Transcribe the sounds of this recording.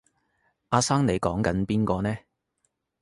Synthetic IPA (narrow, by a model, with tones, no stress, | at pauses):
ʔaː˧saː˥ŋne˨˩jkɔː˨˥ŋkɐ˨˥npiː˥nkɔː˧nɛː˥